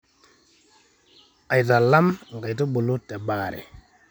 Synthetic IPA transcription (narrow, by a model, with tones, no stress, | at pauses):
a˨jta˨la˦mŋ˨ɡa˨jtu˦bu˨lu˦te˨ɓa˨ɾḛ˨